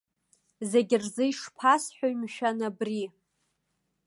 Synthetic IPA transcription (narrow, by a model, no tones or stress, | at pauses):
zeɡʲɪrzɨjʂpʰasħʷᶣoɥmʃᶣanabri